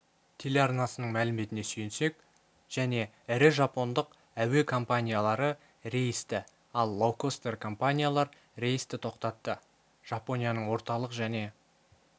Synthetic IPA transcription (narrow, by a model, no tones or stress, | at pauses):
t̪ʲʰe̞le̞ɑrnɑsənəɴmælɪme̞t̪ɪne̞sɵjɪnse̞k | ʒ̥æne̞ | ɪɾɪʒɑpo̞nd̪əq | æwe̞kʰo̞mpanʲijalˠɑɾə | ɾe̞jɪst̪ɪ | ɑlˠːowkost̪e̞rkʰo̞mpanʲijalˠɑɾ | ɾe̞jɪst̪ɪt̪ʰo̞qt̪ɑt̪ːə | ʒ̥ɑpo̞nʲijanəɴwo̞ɾt̪ɑlˠəqʒæne̞